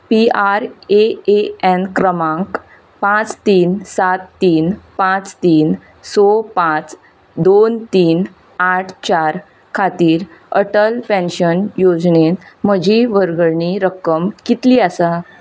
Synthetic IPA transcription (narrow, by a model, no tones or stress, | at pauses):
piaɾeeɛnkɾəmãŋk | pãt͡st̪iːnsat̪ːiːnpãt͡st̪iːn | sɔpãt͡s | d̪ont̪iːn | aʈʰt͡ɕaɾ | kʰat̪iːɾəʈəlpɛ̃nɕənjod͡zɳenm̤əd͡ʑiʋəɾɡəɾɳiɾəkəmkit̪liːəsa